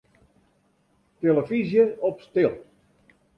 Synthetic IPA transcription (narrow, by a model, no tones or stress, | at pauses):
t̪elˠəfizjəɔpst̪elˠ